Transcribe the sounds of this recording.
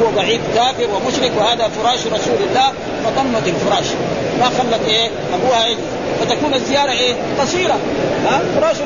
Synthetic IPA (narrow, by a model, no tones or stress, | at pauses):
uwabaʕiːd̪kaːfiɾwimʊʃɾɪkwɪhaːd̪afuɾˤɑːʃɾˤɑsuːlalːaː | fɑd̪ˤɑmːat̪alfuɾˤɑːʃ | maxalːat̪ʔeː | ʔabuːhaʕɪli | fat̪akuːnazːijaːɾˤɑʔeː | qɑsˤiːɾɑ | afʊɾˤɑːʃ